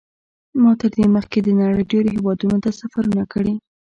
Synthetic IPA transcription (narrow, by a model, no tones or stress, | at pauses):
mɑt̪əɾd̪eməxked̪ənaɽəjɖeɾoɦewɑd̪unot̪asafaɾunakəɽi